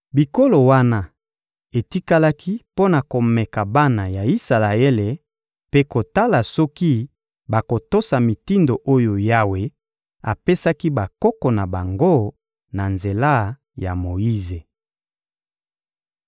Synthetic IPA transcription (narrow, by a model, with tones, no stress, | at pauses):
bi˨ko˦lo˨wa˦na˦ | e˨ti˦ka˦la˦kʰi˦po˦na˨ko˨mɛ˨ka˨ba˦na˨ja˨i˦sa˨la˨e˦le˨ | pe˦ko˨ta˦la˨sɔ˦ki˦ | ba˨ko˨to˦sa˨mi˨ti˦ndo˨ʔo˦jo˨ja˦we˨ | a̰˨pe˦sa˦ki˦ba˨kɔ˦kɔ˨na˨ba˨ŋɡo˦ | na˨nze˨la˦ | ja̰˨mo˨i˦ze˨